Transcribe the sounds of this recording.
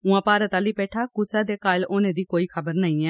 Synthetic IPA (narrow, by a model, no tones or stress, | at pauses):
ʊ̃ːãːpaːɾət̪aːliːpɛːʈʰaːkʊsɛːd̪eːkaːɪloːnẽːd̪iːkoːiːkʰəbəɾnəĩːɛː